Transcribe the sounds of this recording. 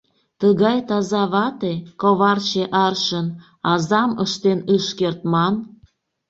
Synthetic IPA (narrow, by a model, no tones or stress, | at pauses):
t̪əɣɑjt̪ɑzɑβɑt̪ekoβɑrt͡ɕeʔɑrʃən | ɑzɑmə̰ʃt̪enɯʃkert̪̚mɑn